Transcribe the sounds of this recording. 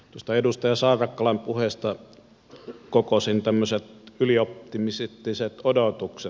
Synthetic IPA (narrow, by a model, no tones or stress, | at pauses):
t̪uost̪ɑedust̪ɑjɑsɑˑːrɑkːɑlɑmpuheˑst̪ɑ | kokosint̪æmːøset̪yliopːimiset̪ːiset̪odot̪ukse